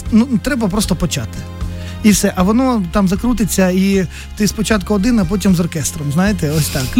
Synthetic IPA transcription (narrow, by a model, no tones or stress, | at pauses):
nut̪ɾɛbɐpɾɔst̪ɔpɔt͡ʃat̪ɪ̥ | ifsɛʔɐʋɔnɔt̪ɑmzɐkɾut̪ɪt͡sʲːɐi | t̪ɪspɔt͡ʃat̪kʊɔd̪ɪnɐp̬ɔt̬ʲimzɔrkɛst̪ɾɔmznajɪt̪ɛɔsʲt̪ɑk